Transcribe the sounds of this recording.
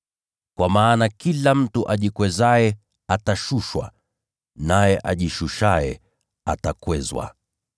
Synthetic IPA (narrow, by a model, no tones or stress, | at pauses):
kwamaːnakilam̩tuʔaʄikwɛzaɛ | ataʃuʃwa̰ | najɛʔa̰ʄiʃuʃajɛ̰ | atakwɛzwa̰